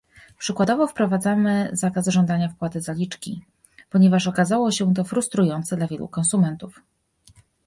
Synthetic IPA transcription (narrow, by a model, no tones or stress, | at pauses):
pʂɘkwad̪ɔvɔfpɾɔvad̪zamɘzakasʐɔnd̪aɲafkwat̪ɘzalʲit͡ʂkʲḭ | pɔɲɛvaʂɔkazawɔɕɛt̪̬ɔfɾust̪ɾujɔnt̪sɛd̪lavʲjɛ̰lṵkɔnsumɛnt̪uf